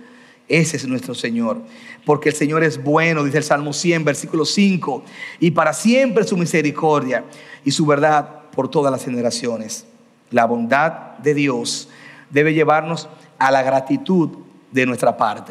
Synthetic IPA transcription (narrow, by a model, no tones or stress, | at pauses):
e̞sesnwe̞st̪ɾose̞ɲo̞ɾpo̞ɾkeːlse̞ɲo̞ɾe̞sbwe̞no̞ðiselsalmo̞sje̞mbe̞ɾsikulo̞siŋkoipaɾasje̞mpɾesumise̞ɾiko̞ɾðjaisuβe̞ɾðaðpo̞ɾt̪o̞ðaslashe̞ne̞ɾasjo̞nes | laβo̞nd̪ad̪d̪e̞ðjo̞sd̪e̞βe̞ʝe̞βaɾno̞s | alaɣɾat̪it̪ud̪ | d̪e̞nwe̞st̪ɾapaɾt̪e